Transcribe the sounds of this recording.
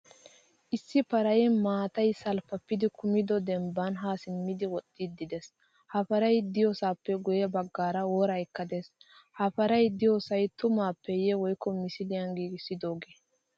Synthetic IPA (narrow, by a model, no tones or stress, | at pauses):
ʔɪsːɪpɐɾɐjɛmaːt̪ɐjsɐlpɐpːɪd̪ɪkʊmɪd̪ɔd̪ɛmbːɐnɦaːsɪmːɪd̪ɪwɔt̪ːɪd̪ːɪd̪ɛs | hɐfɐɾɐjd̪ɪjosaːpːɛɡɔjɛbɐɡːaːɾɐwoɾɐjkːɐd̪eshɐfɐɾɐjd̪ɪjoːsɐjt̪ʊmaːpːɛjɛwɔjkːɔmɪsɪlɪjɐŋɡiːɡɪsːɪd̪oːɡeː